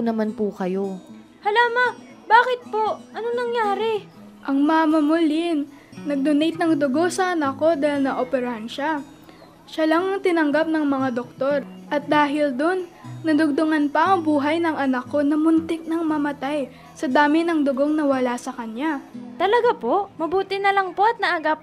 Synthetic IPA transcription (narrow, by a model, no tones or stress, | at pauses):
nɐmanpukɐjo | hɐlaːmɐ | baːkɪt̪̚po̞ʔɐnonɐŋjaːɾɛ | ʔɐŋmɐŋamɐmʊlɪnː | ɐɡ̚d̪ʊnejt̪̚nɐŋd̪ʊɡo̞sɐʔɐnɐkːo̞d̪aːɪlnɐʔoːpɛɾɐhɐnʃa | ʃalɐŋŋt̪ɪnɐŋɡap̚nɐŋmɐŋad̪ok̚t̪o̞ɾʔɐt̪̚d̪aːɦɪld̪onːɐd̪ʊɡ̚d̪ʊŋɐnpɐʔɐŋbuːɦɐjnɐŋɐnɐkːonɐmʊnt̪ɪk̚nɐŋmɐmɐt̪aj | sɐd̪aːmɪnɐŋd̪ʊɡo̞ŋnɐwɐlasɐkɐɲjat̪ɐlɐɡapo̞ʔmɐbuːt̪ɪnɐlɐŋpo̞ʔɐt̪̚nɐʔaɡap̚